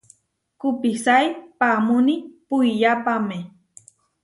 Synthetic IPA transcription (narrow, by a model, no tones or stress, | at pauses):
kʊpisajpamʊnipʊjʎapame